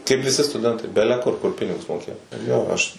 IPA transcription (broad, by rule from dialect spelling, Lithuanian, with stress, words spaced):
kɐɪp ʋʲɪˈsʲɪ stʊˈdʲɛntɐɪ ˈbʲæːlʲɛˈkʊr ˈkʊr ˈpʲɪnʲɪɡʊs moːˈkʲeːjoː ˈjoː ˈɐʃ